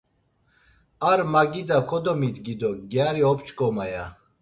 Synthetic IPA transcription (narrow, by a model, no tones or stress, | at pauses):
aɾmaɡid̪akʰɔd̪ɔmit̪ɡid̪ɔɡjaɾiɔpt͡ʃʰɡɔmaja